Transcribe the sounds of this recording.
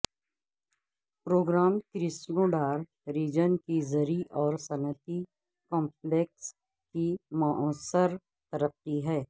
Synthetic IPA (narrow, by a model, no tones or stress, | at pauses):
pɾoːɡɾaːmkɾɪsnoːɖaːɾ | ɾiːd͡ʒənkizəɾiʔɔːɾsɐnət̪i | kɔ̃ːmpleːks | kimaʔɔːsəɾ | t̪əɾəqːiɦɛː